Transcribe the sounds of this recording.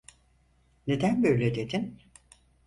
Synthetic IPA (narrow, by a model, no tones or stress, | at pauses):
ne̞d̪ænbøjlʲed̪ed̪in